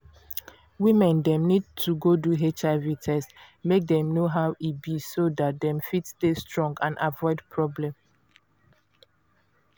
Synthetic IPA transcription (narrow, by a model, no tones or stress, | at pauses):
wĩmɛ̃ndɛ̃mnid̚tʰuɡoduɦet͡ʃavitʰɛs | mek̚dɛ̃mnoɦawʔibisodat̚dɛ̃mfitstestɹɔ̃ŋɡãnavɔɪdpʰɹɔblɛ̃m